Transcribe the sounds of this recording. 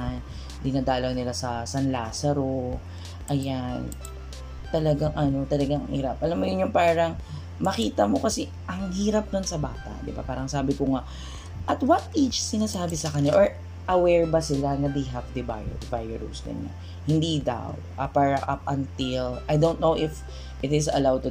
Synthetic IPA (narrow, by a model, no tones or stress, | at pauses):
n | d̪ɪnaːd̪aːlɐŋnɪlasɐsanlaːsɐɾo | ʔɐjan | t̪ɐlɐɡaŋʔɐno̞t̪ɐlɐɡaŋɐ̰ŋhḭːɾɐp̚ʔɐlamːojʊnjʊŋpaːɾɐŋ | mɐkiːt̪ɐmo̞kɐsɛ | ʔɐŋhiːɾɐp̚d̪onsɐbaːt̪a̰ʔd̪ɪba̰paːɾɐŋsaːbɪkʊŋa | ʔɐt̪wɐnʔet͡ʃsɪnaːsaːbɪsɐkɐɲːaʔoɹ | ʔɐwɛɹbɐsɪlanɐd̪ejɦavd̪ɪba̰jɛ̰ | vajɛɹṵsd̪ɪ̰nːa̰ | hɪnd̪iːd̪a̰w | ʔɐpaɹɐʔɐp̚ʔɐnt̪ɪlajd̪ownt̪̚nowʔɪf | ʔɪt̪ɪsɐ̰lawd̪̚t̪ːʊ